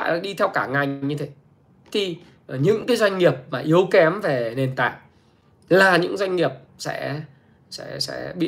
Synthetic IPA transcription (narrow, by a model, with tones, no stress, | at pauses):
ja˨˦ɗi˧t̪ʰɛ˧wkaː˧˩ŋa˨˩jjŋɲɨ˧t̪ʰe˨˦ | t̪ʰi˨˩˨ | ɲɨ̰˧˥ŋkaː˨˦jzwa˧jŋ̟ŋi˨˩əp̚maː˨˩ʔi˨˦əwkɛ˨˦mve˨˩ne˨˩nt̪a̰ː˧˨j | laː˨˩ɲɨ̰˧˥ŋzwa˧jŋ̟ŋi˨˩əp̚sɛ̰˧˥ | sɛ̰˧˥sɛ̰˧˥ɓḭ˧˨